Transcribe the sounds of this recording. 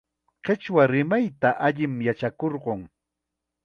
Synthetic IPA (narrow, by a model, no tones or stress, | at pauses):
qet͡ʃwaɾɪmajt̪aʔaʎɪmjat͡ʃakoɾɢoŋ